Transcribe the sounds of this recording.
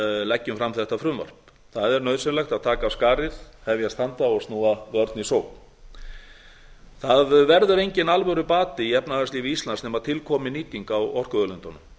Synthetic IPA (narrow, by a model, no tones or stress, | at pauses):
lɛcːʏmfɾamθɛht̪ːafɾʏmvɔ̰ɾ̥p | θaðɛɾnœɥðsɪnlaxt̪aðt̪ʰaːkaskaːɾɪðhɛvjast̪ant̪aɔst̪nuːaðœɾt̪nisoːw | θaðvɛɾðʏɾejɲcɪnalvœɣɾʏpaːt̪ɪiɛpnaθasliːvɪist̪lansnɛmaðt̪ʰɪlkʰɔːmɪniːt̪iŋkawɔr̥kʏœlʏnt̪ɔnʏm